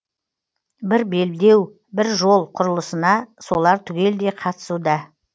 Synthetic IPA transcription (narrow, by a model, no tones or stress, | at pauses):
bɪɾbe̞lbd̪e̞w | bɪɾʒo̞lˠqʰʊɾəlˠəsənɑso̞lˠɑɾt̪ʰʏɡʲe̞ld̪e̞qʰɑt̪ə̥sud̪ɑ